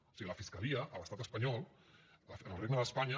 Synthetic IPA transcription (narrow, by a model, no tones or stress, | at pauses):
o̥siɣiləfiskəliəʔːləst̪at̪əspɐɲɔlˠ | fənəlˠreɡ̚nəðəspaɲɐ